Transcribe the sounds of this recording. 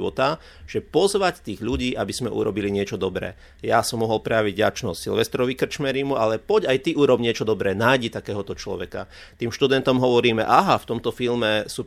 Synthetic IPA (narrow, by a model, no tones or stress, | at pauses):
ʋɔt̪a | ʒ̥ɛpɔzʋact̪iːɣʎuɟiːʔabiz̥mɛʔṵɾɔbiliɲɪɛt͡ʃɔd̪ɔbɾɛ̰ː | jasɔmːɔɦɔlpɾɛjaʋiɟɟa̰t͡ʃnɔssilʋɛst̪ɾɔʋikr̩t͡ʃmɛɾimuʔalɛpɔɟajt̪iʔuɾɔbɲɪɛt͡ʃɔd̪ɔbɾɛːnaːjɟit̪akɛːɦɔt̪ɔt͡ʃlɔ̰ʋɛka̰ | t̪iːmʃt̪ud̪ɛnt̪ɔmɦɔʋɔɾiːmɛ̰ʔaɦaft̪ɔmt̪ɔfilmɛsuː